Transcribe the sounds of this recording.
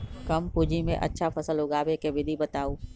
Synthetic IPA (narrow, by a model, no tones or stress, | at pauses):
kɐmpud͡ʒʱimḛ̃ʔɐ̰tːʃʰafɐsəlɦʊɡaːbekeʋɪd̪ʱibɐt̪aːuː